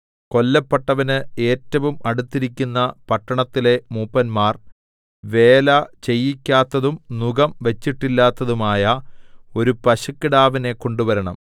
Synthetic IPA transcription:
ko̞lːɐpːɐʈːɐʋɐnɨe̞ːtːɐʋumɐɽut̪ːiɾikʲːunːɐpɐʈːɐɳɐt̪ːile̞muːpːɐnmaːr | ʋe̞ːlɐt͡ɕe̞jːikʲːaːt̪ːɐðumnuɡɐmʋet͡ɕːiʈːilːaːt̪ːɐðumaːjɐo̞ɾupɐɕɐkːiɽaːʋine̞ko̞ɳɖuʋɐɾɐɳɐm

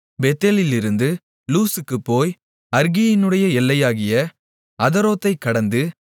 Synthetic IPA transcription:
bɛt̪ːelɪlɪɾɯnd̪ɯ | luːsɯkːɯpːoːj | ɐɾɡɪjɪnɯɽɐjɐɛlːɐjaːɣɪjɐ | ɐðɐɾoːt̪ːɐɪkːɐɽɐnd̪ɯ

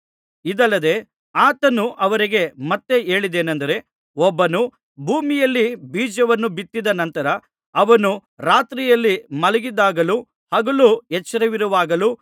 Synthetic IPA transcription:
id̪ɐlːɐd̪e̞ | aːt̪ɐnuʔɐʋɐɾiɡe̞mɐt̪ːe̞e̞ːɭid̪e̞ːnɐnd̪ɐɾe̞ | ɔbːɐnu | bʱuːmijɐlːibiːd͡ʒɐʋɐnːubit̪ːid̪ɐnɐnt̪ɐɾɐː | ʋɐnu | ɾaːt̪ɾijɐlːimɐlɐɡid̪aːɡɐlu | hɐɡɐluɛt͡ʃːɐɾɐʋiɾuʋaːɡɐlu

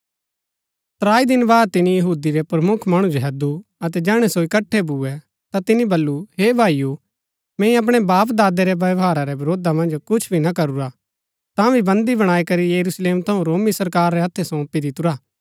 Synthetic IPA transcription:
t̪ɾaːid̪ɪnbaːd̪̚t̪ɪnijɐɦuːd̪iɾɛpɾɐmʊkʰmɐɽ̃ud͡ʒoɦɛd̪uɐt̪ɛd͡ʒɛːɽ̃ɛsoɪkɐʈʰːɛbuːɛ | t̪at̪ɪnibɐlːuɦeːbʱaːiju | mɛ̃ːĩɐp̬ɽ̃ɛbaːp̬d̪aːd̪eɾɛbɐʋɦaːɾaɾɛbɐɾoːd̪amɐ̃nd͡ʒkʊt͡ʃʰbʱinɐkɐɾuɾa | t̪ãbʱibɐ̃nd̪ibɐɽ̃aːikɐɾijɐɾusleːmt̪ʰɐũɾoːmisɐɾkaːɾːɛɐt̪ʰːɛsõpid̪ɪt̪ʊɾaː

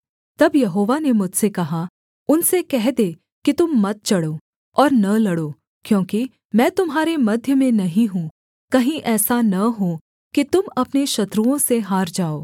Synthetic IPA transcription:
t̪ɐbjɐɦoːʋanemʊd͡ʒʱsekɐɦa | ʊnsekɛɦd̪e | kit̪ʊmːɐt̪̚t͡ʃɐɽoː | ɔːɾnɐlɐɽoː | kjõːki | mɛ̃ːt̪ʊmɦaːɾemɐd̪ʱjəmẽnɐɦĩɦũ | kɐɦĩʔɛːsanɐɦo | kit̪ʊmɐpneʃɐt̪ɾuõseɦaːɾd͡ʒaːoː

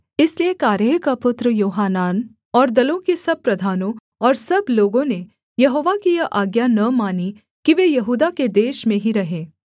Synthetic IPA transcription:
ɪsliekaːɾjəkapʊt̪ɾəjoːɦaːnaːn | ɔːɾd̪ɐlõkisɐb̚pɾɐd̪ʱaːnõ | ɔːɾsɐbloːɡõne | jɐɦoːʋakijɐʔaːɡjanɐmaːni | kiʋeːjɐɦuːd̪aked̪eːʃmẽɦiɾɐɦeː

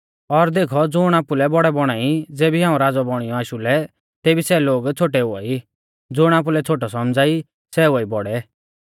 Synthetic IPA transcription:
ɔɾd̪eːkʰɔd͡zʊɽ̃aːpulɛbɔɽɛbɔɽ̃aːid͡zeːbiɦãːũɾaːd͡zɔbɔɽ̃ijɔaːʃulɛ | t̪eːbisɛloːɡt͡sʰoːʈɛʊa̰ːi | d͡zʊɽ̃aːp̬ulɛt͡sʰoːʈ̬ɔsɔmd͡zaːi | sɛʊaibɔɽɛ

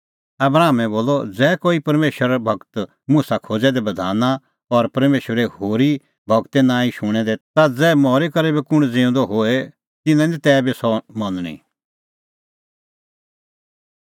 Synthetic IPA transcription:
ɐbɾaːmɛ̃boːlɔd͡zɛːkoːipɐɾmeːʃəɾbʱɐɡt̪ | musakʰoːd͡zɛd̪ɛbɐd̪ʱaːna | ɔɾpɐɾmeːʃɾɛhoːɾi | bʱɐɡt̪enãːĩʃʊɽ̃ɛd̪ɛt̪ad͡zɛːmɔːɾekɐɾebikʊɽ̃d͡zɪ̃ʊ̃d̪oɦoːe | t̪ɪnãdit̪ɛːbisɔmɐnɽ̃ḭ̃

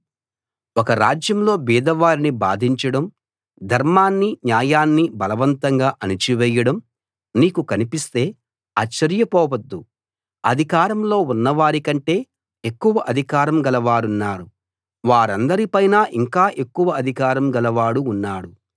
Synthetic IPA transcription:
ɔkɐɾa̰ːd͡ʒjɐmlo̞ːbiːd̪ɐʋaːɾiniba̰ːd̪ʱiɲt͡ʃɐɽɐm | d̪ʱɐɾmaːnːiɲjaːjaːnːibɐlɐʋɐnt̪ɐŋɡaːʔɐnit͡ʃiʋɛːjɐɽɐm | niːkukɐnipist̪e̞ː | aːt͡ʃːɐɾjɐpɔːʋɐd̪ːu | ɐd̪ʱikaːɾɐmlo̞ːunːɐʋaːɾikɐɳʈe̞ː | ekːuʋɐʔɐd̪ʱikaːɾɐmɡɐlɐʋaːɽunːaːɾu | ʋaːɾɐnd̪ɐɾipɐjnaːʔiŋkaːʔe̞kːuʋɐɐd̪ʱikaːɾɐmɡɐlɐʋaːɽuːnːaːɽu

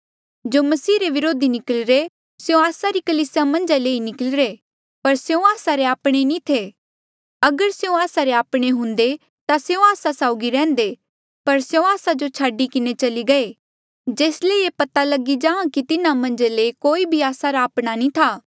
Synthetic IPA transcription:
d͡ʒoːmɐsiːɾeʋɪɾoːd̪inɪkəlɾe | seõaːsaɾikɐliːsjamɐ̃nd͡ʒaleːinɪkəlɾe | pɐɾseõaːsaɾeaːpɽ̃enĩt̪ʰe | ɐɡəɾseũaːsaɾeaːpɽ̃eɦʊ̃nd̪e | t̪aseõaːsasaːʊɡiɾɛ̃ːn̆d̪e | pɐɾseõaːsad͡ʒot͡ʃʰaːɖikɪnet͡ʃɐliɡɐe | d͡ʒeːsleepɐt̪alɐɡid͡ʒãːãkit̪ɪnãmɐ̃nd͡ʒaleikoːibʱiaːsaɾaːpɽ̃anĩt̪ʰaː

